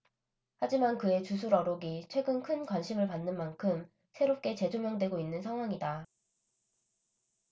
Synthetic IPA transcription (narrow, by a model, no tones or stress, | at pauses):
had͡ʑimankɯe̞t͡ɕus̬ʰuɾʌɾoɡit͡ɕʰweɡɯnkʰɯnkwanɕʰimɯɭpanːɯnmankʰɯm | sʰeɾop̚k͈e̞t͡ɕe̞d͡ʑomjʌŋdwe̞ɡoinːɯnsʰaŋɦwaŋida